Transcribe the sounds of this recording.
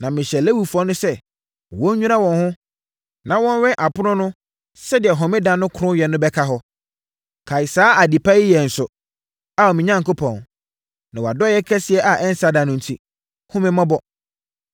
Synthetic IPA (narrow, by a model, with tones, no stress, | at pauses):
nã˨mɪ̃˨ɕɛ˨le˦wu˨fɔ̃˦nʊ̃˦sɛ˦˨ | wɔ̃˦ɲ˦ɲᶣũ˦nã˦wɔ̃˨nhʊ̃˦ | nã˨wɔ̃˦n˦ɥɛ̃˦ʔa˨pʊ˦nʊ̃˦nʊ̃˦ | sɛ˦dɪ˨ɛ˨ɦɔ̃˨mɪ̃˦dã˨nʊ̃˦kʰɾʊ̃˦jɛ˨nːʊ̃˦bɛ˦kʰa˦ɦɔ˦ | kʰa˨ɪ˨saː˦ʔa˨di˨pʰa˦i˦jɛ˨n̩˨sʊ˨ | a˨ɔ˨mɪ̃˨ɲã˦ŋ˨ko˦pʰɔ̃˨n | nã˨wɔ˨a˨dɔ˦jɛ˦kʰɛ˦sɪ˨ɛ˦ʔa˨ʔɛ˦n̩˦sa˨dã˨nʊ̃˦n̩˨tʰi˦ | hʊ̃˦mɪ̃˦mã˦bɔ˦